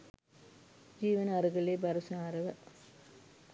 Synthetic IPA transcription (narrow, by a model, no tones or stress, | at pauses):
d͡ʑiːʋɐnɐɐrɯɣɐɭleːbɐɾɐsɐaːɾɐʋɐ